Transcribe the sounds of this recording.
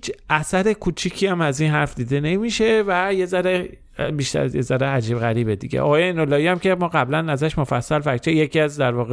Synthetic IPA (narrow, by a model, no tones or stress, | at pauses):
hit͡ʃʰʔæsæɾe̞kʰuːt͡ʃʰiːcʰiːæmæziːnɦæɾfd̪iːd̪e̞ne̞miʃe̞væjezæɾe | biʃt̪æ̰ɾjḛzæɾeæd͡ʒiːbɣæɾiːbed̪ḭɟḛʔɒ̰ɣɒːjeinolːɒːiæmcʰe̞mɒːɣæblænæzæʃmofæsːælfækt͡ʃʰejecʰiæzd̪æɾvɒːɣe